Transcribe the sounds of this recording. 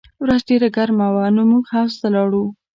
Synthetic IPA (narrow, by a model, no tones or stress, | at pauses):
wɾazɖeɾaɡaɾmawanomuɡhawst̪alɑɽu